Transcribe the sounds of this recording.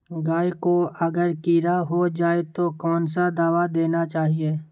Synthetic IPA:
ɡaːikoɐɡəɾkiːɾaɦod͡ʒaːet̪okɔːnsad̪aːʋad̪eːnat͡ʃaːɦieː

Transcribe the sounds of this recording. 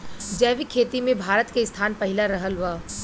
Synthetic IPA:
d͡ʒɛːʋikʰeːt̪imẽbʱaːɾət̪keɪst̪ʰaːnpɐɦɪlaɾəɦəlʋaː

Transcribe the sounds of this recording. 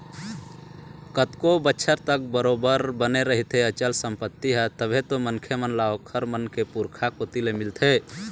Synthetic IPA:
kət̪kobətːʃʰəɾt̪ək̚bəɾobəɾbəneɾəɦit̪eət͡ʃəlsəmpət̪ːiɦɛt̪əbʱet̪omənkʰjəmənlaokʰəɾmənkepuɾkʰakot̪ilemɪlt̪ʰe

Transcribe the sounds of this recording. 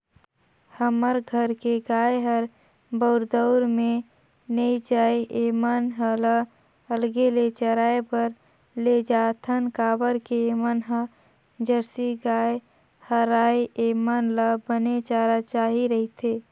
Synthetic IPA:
həməɾɡʱəɾkeɡaːeɦəɾ | bəʊɾd̪əʊɾmẽ | nəit͡ʃaːeeːmanɦəla | əlɡelet͡ʃəɾaːepəɾ | led͡ʒaːt̪ʰənkaːbəɾkeemənɦə | d͡ʒəɾsiɡaːe | həɾaːjemanlabənet͡ʃaːɾat͡ʃaːɦiɾəɦit̪ʰe

